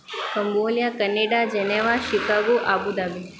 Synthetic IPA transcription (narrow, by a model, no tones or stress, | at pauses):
kəmboːljakəneːɖad͡ʒɛneʋaʃikaɡuʔabud̪abi